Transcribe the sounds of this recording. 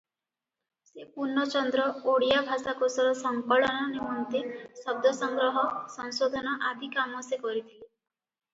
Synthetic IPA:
sepuɾnːɔt͡ʃɔnd̪ɾɔoɽijabʱasakosɔɾɔsɔŋkɔɭɔnɔnemɔnt̪esɔb̚d̪ʱɔsɔŋɡɾɔɦɔsɔŋsod̪ʱɔnɔʔad̪ʱikamɔsekɔɾit̪ʰile

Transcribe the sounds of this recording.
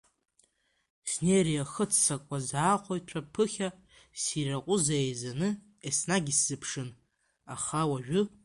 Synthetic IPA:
snerijaχət͡sʰsakʷʼazaːqʷʰojtʷʰapʰɨχʲa | siraqʷʼʊzaejzanɨ | esnaɡʲisz̥ɨpʰʂɨn | a̰χawaʒᶣʊ

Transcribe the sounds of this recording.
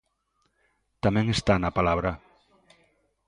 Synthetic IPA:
t̪amẽŋest̪anapalaβɾa

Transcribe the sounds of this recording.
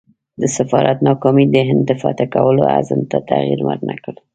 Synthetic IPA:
d̪əsɪfɑɾʔat̪nɑkɑmid̪əɦɪnd̪ːəfɑt̪akawəloa̰zəmt̪at̪aɣiɾmaɾnakəɽ

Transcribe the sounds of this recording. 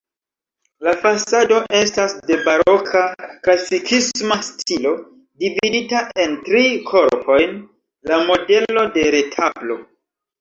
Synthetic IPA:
lafasado̞ʔe̞stasde̞baɾo̞kʰaklasikʰismastʰilo̞ | dividitaʔe̞ntɾikʰo̞ɾpʰo̞jn | lamo̞de̞lo̞de̞ɾe̞tʰablo̞

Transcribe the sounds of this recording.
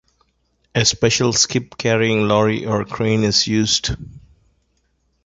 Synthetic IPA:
espɛʃəlskɪpkʰæɾiɪ̃ŋlɔːɹiʔɔɹkʰɾẽːnɪzjuːzɖ

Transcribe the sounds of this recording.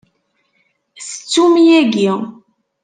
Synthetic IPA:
sə̥t͡sːumijæɡi

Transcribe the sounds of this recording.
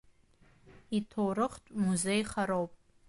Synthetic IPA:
itʰowɾɨχtʷʼmuzejχaɾowpʼ

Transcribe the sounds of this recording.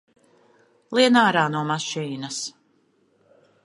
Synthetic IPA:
lˠiɛnaːɾaːnuɔmaʃiːnɐs

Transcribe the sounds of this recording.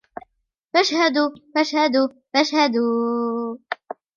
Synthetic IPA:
faʃhad̪ufaʃhad̪u | faʃhad̪uː

